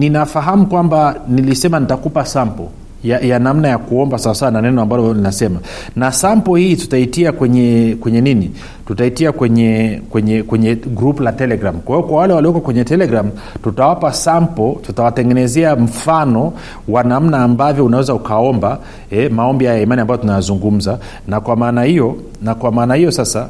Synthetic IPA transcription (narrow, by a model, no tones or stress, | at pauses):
ninafaɦamukwambanilisɛmanitakupasampɔ | jajanamnajakuɔmbasawasawananɛnɔambalɔninasɛma | nasampɔhiːtu̥taitiakwɛɲɛkwɛɲɛnini | tutaitiakwɛɲɛkwɛɲɛkwɛɲɛɡɾupulatɛlɛɡɾamkwahijɔkwawalɛwaliɔkɔakwɛɲɛtɛlɛɡɾam | tutawapasampɔtutawatɛŋɡɛnɛzɛam̩fanɔ | wanam̩naːmbavjɔunawɛzaukaɔmba | ɛmaɔmbihajaimaniambajɔtunajazuŋɡum̩za | nakwamaːnahijɔ | nakwamaːnahijɔsasa